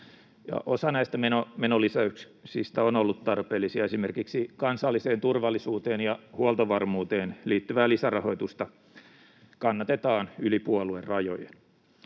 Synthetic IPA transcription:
jɑ̰ʔosɑnæist̪æmenomenolisæyk | sist̪æonolːut̪t̪ɑrpeːlːisiɑesimerkiksikɑnsɑlːiseːnt̪urʋɑlːisuːt̪eːnjɑhuɑlt̪oʋɑrmuːt̪eːnliːt̪ːyʋæːlisærɑho̞it̪ust̪ɑ | kɑnːɑt̪et̪ɑːnylipuoluerrɑjo̰jḛn

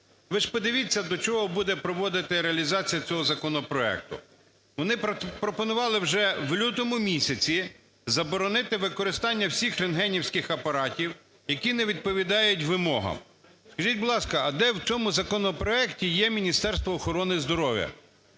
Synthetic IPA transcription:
ʋɪʃpɔd̪ɪʋʲit͡sʲːɐd̪ɔt͡ʃɔɦɔbud̪ɛpɾɔʋɔd̪ɪt̪ɪɾeɐlʲizɑt͡sʲijɐt͡sʲɔɦɔzɐkɔnɔpɾɔɛ̰k̚t̪ʊ̰ | ʋɔnɪpɾɔpɔnʊʋɑlˠɪwʒɛʋlʲut̪ɔmʊmʲisʲɐt͡sʲi | zɐbɔɾɔnɪt̪ɪʋɪkɔɾɪst̪ɑnʲːɐwsʲixɾenɦɛnʲiwsʲkɪxɐpɐɾɑtʲiw | jɐkʲinɛʋʲid̪̚pɔʋʲid̪ɑjʊtʲʋɪmɔɦɐ̰m | skɐʒit̚ʲbʊlˠɑskɐɐd̪ɛwt͡sʲɔmʊzɐkɔnɔpɾɔɛktʲijɛmʲinʲist̪ɛɾst̪ʋɔːxɔɾɔnɪzd̪ɔɾɔʋʲjɐ̰

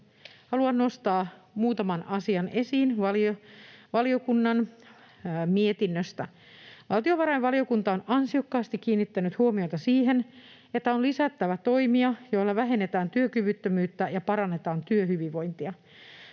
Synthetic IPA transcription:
hɑluɑnno̞st̪ɑːmuːt̪ɑmɑnɑsiɑne̞siːnʋɑlioʋɑlio̞kunːɑn | mie̞t̪inːøst̪æ | ʋɑlt̪io̞ʋɑɾɑjʋʋɑlio̞kunt̪ɑonɑnsio̞kːɑːst̪ik̟ːiːnːit̪ːænyt̪huomiot̪ɑsiːɦe̞n | e̞t̪ːæonlisæt̪ːæʋæt̪o̞jmiɑjoilːɑʋæɦe̞nːet̪æːnt̪yøkyʋyt̪ːømyːt̪ːæjɑpɑɾɑnːe̞t̪ɑːnt̪yøhyʋiʋʋo̞jnt̪iɑ

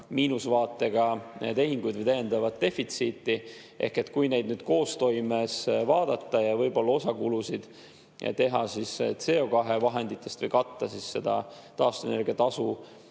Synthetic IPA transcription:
miːnusvɑːt̪ːˑe̞ɡ̥ɑt̪e̞ɦiŋɡ̥ujd̪̥vəjt̪æje̞nd̪ɑvɑt̪d̪e̞fit̪siːt̪ːˑi | ʔe̞̰hke̞t̪kujne̞jd̪̚nyd̪̥ko̞ːst̪o̞jmesvɑːd̪̥ɑt̪ːˑɑjɑvɤjbo̞lːɑo̞sɑkulusid̪̥ | t̪e̞ɦɑsist̪se̞o̞kɑɦe̞vɑɦe̞nd̪̥it̪ˑːe̞st̪və̰jkɑt̪ːɑsisːe̞d̪̥ɑ̰t̪ɑːst̪uene̞rɡiɑt̪ɑsu

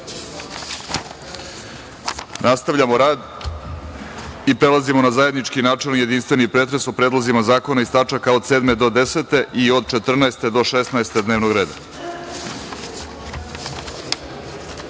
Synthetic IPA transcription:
nast̪aʋʎamo̞ɾaːd̪ | ipɾe̞lazimo̞nazaje̞d̪nit͡ʂkinaːt͡ʂe̞lnje̞d̪inst̪ʋe̞nipɾet̪ɾe̞sopɾed̪lˠazimazaːko̞naist̪at͡ʂakaod̪seːd̪me̞d̪o̞d̪e̞set̪e̞ʔio̞d̪̚t͡ʃe̞t̪r̩naest̪e̞d̪o̞ʃesnaest̪ed̪neːʋnoɡɾe̞ːd̪a̰

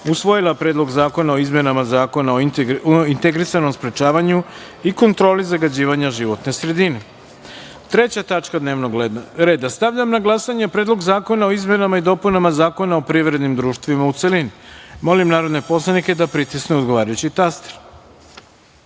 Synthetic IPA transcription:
usʋo̞jilapɾed̪lˠo̞ɡzaːko̞nao̞izmje̞namazaːko̞naoint̪eɡɾisano̞mspɾe̞t͡ʃaːʋaɲu | iko̞nt̪ɾo̞ːlizaɡad͡ʑiːʋaɲaʒiʋo̞t̪ne̞sɾe̞d̪ine̞ | t̪ɾe̞t͡ɕat̪at͡ʃkad̪ne̞ːʋnoɡɾe̞ːd̪ast̪aʋʎamnaɡlˠasaɲepɾed̪lˠo̞ɡzaːko̞nao̞izme̞namaid̪o̞punamazaːko̞nao̞pɾiʋɾe̞d̪nimd̪ɾuːʃt̪ʋimaut̪se̞linimo̞limnaːɾo̞d̪ne̞po̞slˠanike̞d̪apɾit̪isneod̪ɡo̞ʋaːɾajut͡ɕit̪ast̪e̥ɾ

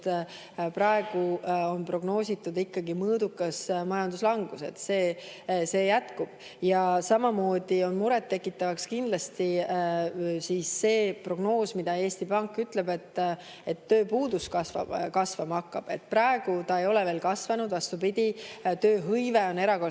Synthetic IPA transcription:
t̪ | prɑe̞ɡ̥uo̞npro̞ɡ̥no̞ːsʲit̪ːˑud̪ikːɑɡimɤːd̪ukːˑɑsmɑjɑnd̪uslɑŋɡ̥use̞̰t̪seːse̞ːjæt̪kub̥ | jɑsɑmɑmo̞ːd̪̥io̞nmuɾɛt̪ːe̞kːˑit̪ːˑɑvɑkskind̪lɑst̪i | siːsːe̞ːpro̞ɡ̥no̞ːsmid̪̥ɑe̞ːst̪ipɑŋkːˑyt̪ˑlebe̞t̪ː | e̞t̪ːøːpuːd̪̥uskɑsvɑ̰kɑsvɑmɑɑkːɑb̥e̞t̪̚ːˑpɾɑe̞ɡ̥ut̪ɑe̞jo̞lɛve̞ːlkɑsvɑnud̪vɑst̪upid̪̥ʲit̪øːɦɤjveo̞ne̞ɾɑko̞

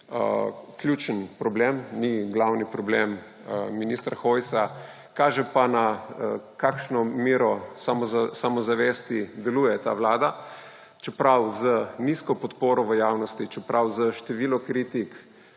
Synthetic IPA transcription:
əklʲjuːt͡ʃənpɾɔbleːmniɡlawnipɾɔblem | minist̪ɾaxojsa | kaːʒɛpana | kakʃnɔmiɾɔsamsamɔzaʋeːst̪id̪ɛluːjɛt̪a̰ːʋlaːd̪a | t͡ʃɛpɾawzəniskɔpɔt̪poːɾɔʋəjaːwnɔst̪it͡ʃɛpɾʔawzəʃt̪ɛʋiːlɔkɾit̪ik

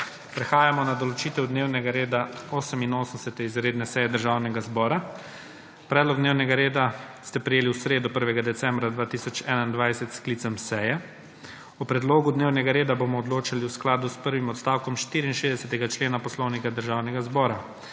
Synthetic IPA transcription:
pɾɛxaːjamɔnad̪ɔlɔt͡ʃiːt̪ɛwd̪neːwnɛɡaɾeːd̪aoːsəminoːsənsɛt̪ɛizɾeːd̪nɛsɛjɛd̪əɾʒawnɛɡazbɔːɾa | pɾɛːd̪lɔɡ̚d̪neːwnɛɡaɾeːd̪ast̪ɛpɾɛjeːliwsɾeːd̪upəɾʋɛɡad̪ɛt̪sɛmbɾad̪ʋaːt̪isɔt͡ʃɛːnaind̪ʋajsɛt̪skliːt̪sɛmsɛjɛ | upɾɛd̪loːɡud̪neːwnɛɡaɾeːd̪abomɔːd̪loːt͡ʃaliwsklaːd̪uspəɾʋimɔt̪st̪awkɔmʃt̪iːɾiinʃeːzd̪ɛsɛt̪ɛɡat͡ʃleːnapɔslɔwnikad̪əɾʒaːwnɛɡazbɔːɾa

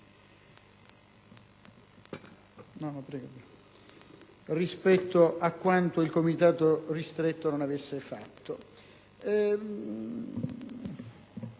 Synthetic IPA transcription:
nɔnpɾɛːɡo | rispɛt̪ːoʔakːwant̪oilkomit̪aːt̪orist̪ɾet̪ːononavesːefa̰t̪ːo

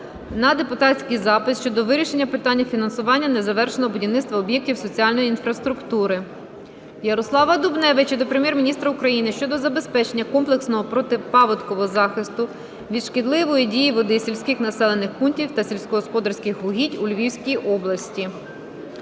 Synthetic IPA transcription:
nɐd̪e̞pʊt̪ɑt͡sʲkijzɑpɪsʃt͡ʃɔd̪ɔʋɪɾʲiʃe̞nʲːɐpɪt̪ɑnʲːɐfʲinɐnsʊʋɑnʲːɐnezɐʋɛrʃenɔɦɔbʊdʲiʋnɪtst̪ʋɐɔbjɛk̚tʲiwsɔt͡sʲiɑlʲnɔjiinfɾɐst̪ɾʊkt̪uɾɪ | jɐɾɔslˠɑʋɐd̪ubnɛʋɪt͡ʃɛd̪ɔpɾemʲjɛrmʲinʲist̪ɾɐʊkɾɐjinɪʃt͡ʃɔd̪ɔzɐbe̞spɛt͡ʃe̞nʲːɐkɔmplˠeksnɔɦɔpɾɔt̪ɪpɑʋɔt̪kɔʋɔɔzɑxɪst̪ʊ | ʋʲid̪ʃkɪd̪lˠɪʋɔjidʲijiʋɔd̪ɪsʲilʲsʲkʲɪxnɐsɛlˠenɪxpuntʲiwt̪ɐsʲilʲsʲkɔɦɔspɔd̪ɐrsʲkɪxɦʊɦʲitʲulʲʋʲiwsʲkʲijʔɔblˠɐsʲtʲi

